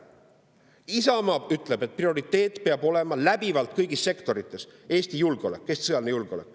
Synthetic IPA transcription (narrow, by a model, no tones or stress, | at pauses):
isɑmɑːbyt̪ˑle̞be̞t̪̚prio̞ɾit̪ːe̞ːt̪ːˑpeɑb̥o̞le̞mɑlæb̥ivɑlt̪ˑkɤjɡ̥isːe̞kt̪o̞ɾit̪ˑːe̞se̞ːst̪ijulɡ̥eo̞lekːˑest̪i̥sɤjɑlnejulɡ̥eolekːˑ